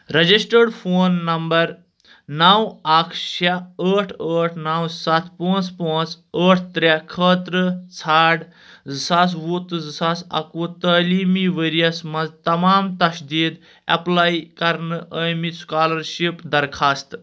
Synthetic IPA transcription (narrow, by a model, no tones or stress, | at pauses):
ɾɐd͡ʒisʈəɖpʰoːnːɐmbɐɾ | nɐwɐkʰʃaəːʈʰəːʈʰnawsɐt̪ʰpõːt͡spɐ̃ːt͡s | əːʈʰt̪ɾakʰəːt̪ɾət͡sʰaːɽ | zɨsaːs̬wut̪ɨzɨsaːsɐ̰kot̪əːliːmiʋeɾijɐsmɐzt̪ɐmaːmt̪ɐʃd̪iːd̪ | ɐ̰plaːjkɐɾnɨʔəːjmiskaːlɐɾʃipd̪ɐɾkʰaːst̪